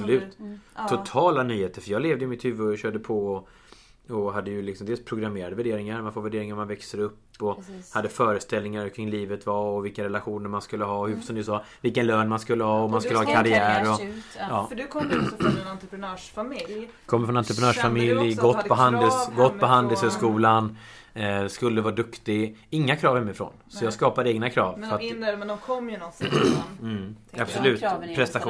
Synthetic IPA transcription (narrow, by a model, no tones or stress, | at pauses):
lʉ̟ːt̪t̪ʰːʊt̪ʰɑːlanyːheːt̪əɾfœɾjɑːɡleːvd̪əjʏmɪt̪hʉ̟vːəɔjaɕœːɖəpʰɔɔ | ɔɦad̪ːəjɵlɪksɔmd̪eːlspʰɾʊɡɾameːɾad̪əvæɖeːɾɪŋaɾmanfoːvæɖeːɾɪŋaɾmanvɛksəɾɵpːɔhad̪ːəfœːɾəst̪ɛlnɪŋaɾkʰɾɪŋliːvət̪vaɔvɪlkaɾɛlaɧuːnəɾmanskɵlːəɦɑːɔhʉsɔmd̪əsɑːvɪlkənløːnmanskɵlːəhɑːɔmanskɵlːəhɑkʰaɾɪæːɾɔjɑːfdkʰɔ | nt̪ɾpɾnːʂf | kʰɔmːəfɾɔnant̪ɾəp̬ʰɾɛnœːʂfamɪljɡɔt̪ːpʰɔɦand̪əsɡɔt̪ːpɔɦand̪əshœːʂkuːlan | skɵlːəvɑːd̪ɵkt̪ɪɡɪŋːakʰɾɑːvhɛmːɪfɾɔ̰ːnsɔjɑːɡskɑːpad̪əeːɡnakʰɾɑːvfəɾat̪kʰɔmːjnɔs̩ | ab̥sɔlʉ̟ːt̪pʰɾɛst̪aɧuː